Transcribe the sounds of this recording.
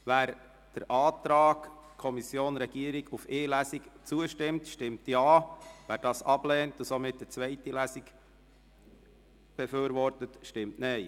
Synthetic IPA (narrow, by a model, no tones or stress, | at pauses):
ʋæːɾ | d̥əɾʔɑːtɾɑːkkʰɔmisjoːnɾɛɡ̥iəɾiɡufeːlæsikt͡suəʃtɪmtʃtɪmtjɑːʋæːɾdɑːsɑb̥lɛːntʊsomɪt̚d̥ət͡svʋɛɪtilæsik | b̥ɛføːɾʋɔɾtətʃtɪmtnɛɪ